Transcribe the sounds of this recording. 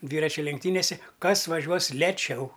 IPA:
ˈdʲʋʲiːrɐt͡ʃʲʊ lʲɛŋkˈtʲiːnʲeːsʲɛ ˈkɐs ʋɐˈʒʲuɔs lʲɛˈt͡ʃʲɛʊ

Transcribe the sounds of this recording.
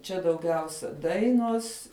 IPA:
ˈt͡ʃʲɛ dɐʊˈɡʲɛʊsʲɛ ˈdɐɪnuɔs

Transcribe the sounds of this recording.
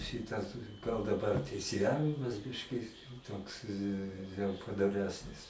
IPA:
ˈʃʲɪtɐs ɡɐlˠ dɐˈbɐr tʲɛɪsʲeːˈjæːʋʲɪmɐs ˈbʲɪʃʲkʲɪ ˈtoːks jɛʊ pɐdoːˈrʲæːsʲnʲɪs

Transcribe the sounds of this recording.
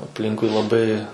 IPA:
ɐpʲˈlʲɪŋkʊɪ lˠɐˈbɐɪ

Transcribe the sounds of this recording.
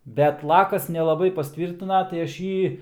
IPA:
ˈbʲɛt ˈlˠɑːkɐs nʲɛlˠɐˈbɐɪ pɐsʲˈtʲʋʲiːrʲtʲɪnɐ tɐɪ ˈɐʃ ˈjiː

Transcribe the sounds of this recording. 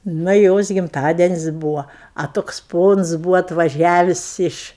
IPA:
ˈnɐ ɪ ˈjoːs ɡʲɪmˈtɑːdʲɛnʲɪsʲ ˈbuːʋɐ ɐ ˈtoːks ˈpoːns ˈbuːʋoː ɐtʋɐˈʒʲæːʋʲɪs ˈɪʃ

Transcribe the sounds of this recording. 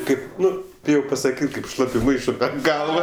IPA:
ˈkɐɪp ˈnʊ ˈbʲɪjɛʊ pɐsɐˈkʲiːtʲ kɐɪp ˈʃlˠɑːpʲʊ ˈmɐɪʃʊ pʲɛr ˈɡɐlˠʋɐ

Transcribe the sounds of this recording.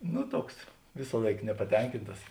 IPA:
ˈnʊ ˈtuɔks ˈʋʲɪsɑːlˠɐɪk nʲɛpɐˈtʲɛŋʲkʲɪntɐs

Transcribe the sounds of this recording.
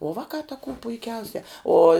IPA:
oː ˈʋɑːkɑː tɐ kuː pʊɪˈkʲɛʊsʲɛ ˈoː

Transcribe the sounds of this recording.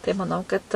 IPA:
tɐɪ mɐˈnɐʊ kɐt

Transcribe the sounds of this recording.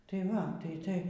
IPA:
ˈtɐɪ ˈʋɐ ˈtɐɪ ˈtɐɪ

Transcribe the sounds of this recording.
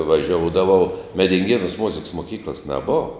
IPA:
ʋɐˈʒʲoːʊdɐʋɐʊ mʲɛdʲɪŋʲˈɡʲeːnuːs ˈmʊzʲɪks mʊˈkʲiːklˠɐs nʲɛˈboːʋɐ

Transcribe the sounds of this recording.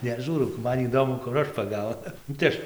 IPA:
nʲɛˈʒuːrɐʊ ˈmɐn iːˈdoːmʊ kʊr ˈɐʃ pɐˈɡɐʊnʊ nʊ tɐɪ ˈɐʃ

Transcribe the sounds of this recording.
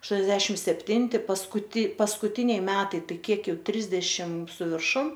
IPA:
ɐʃˈtuɔnʲɛzʲdʲɛʃʲɪmt sʲɛpʲˈtʲɪnʲtʲɪ pɐskʊˈtʲɪ pɐskʊˈtʲɪnʲɛɪ ˈmʲæːtɐɪ ˈtɐɪ ˈkʲiɛk ˈjɛʊ ˈtʲrʲɪzʲdʲɛʃʲɪm sʊ ʋʲɪrˈʃʊm

